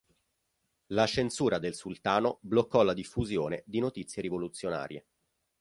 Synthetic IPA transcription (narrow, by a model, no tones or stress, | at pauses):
lat͡ʃensuːɾad̪elsult̪aːnoblokːɔlad̪ifːuzjoːned̪inot̪it̪sːjeɾivolut̪sːjona̰ːɾjḛ